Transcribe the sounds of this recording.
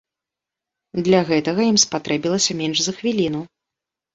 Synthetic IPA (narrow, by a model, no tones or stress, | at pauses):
d̪lʲɐɣɛt̪ɐɣɐjimspat̪ɾɛbʲilˠɐsʲɐmʲɛnʐzɐxvʲilʲin̪u